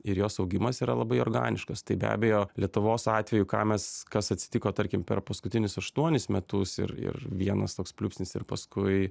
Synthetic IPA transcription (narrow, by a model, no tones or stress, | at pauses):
ɪɾjoːsɐʊɡʲɪmɐsiːɾɐlˠɐbɐɪo̰ɾɡɑ̰ːnʲɪʃkɐst̪ɐɪbʲæ̰ːbʲejoːlʲiɛt̪ʊʋoːsɑːt̪ʲʋʲɛjʊkɑ̰ːmʲɛskɐsɐt̪ʲsʲɪ̥t̪ʲɪkoːt̪ɐɾʲkʲɪmpʲɛ̰rpɐskʊt̪ʲɪnʲʊsɐʃt̪uɔnʲɪsmʲɛt̪ʊsɪ̰ɾɪ̰rʋʲiɛnɐst̪oːkspʲlʲuːpʲsʲnʲɪsɪ̰rpɐskʊɪ